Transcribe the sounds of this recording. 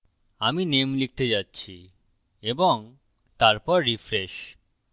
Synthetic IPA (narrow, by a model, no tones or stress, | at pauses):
aminemlik̚ʰt̪ed͡ʑatːɕʰi | eboŋ | t̪aɾpɔɾːifɾeʃ